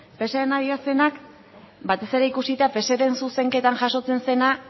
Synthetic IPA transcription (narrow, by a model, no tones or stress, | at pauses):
pe̞seɾenaðiase̞nak | bat̪e̞se̞ɾe̞ikusit̪ape̞seɾe̞nsuse̞ŋke̞t̪anʝaso̞t͡se̞nse̞na